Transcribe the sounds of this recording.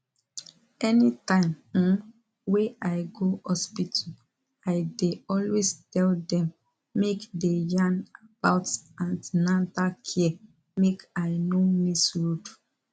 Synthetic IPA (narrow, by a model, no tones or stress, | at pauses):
ɛnitãɪ̃m̩ | weʔaɪɡohɔspitʰu | aɪdeɔlwestɛldɛ̃mː | ekdejãnab̥aʊtãndnãntakʰiɛ | mekaɪnomisɹud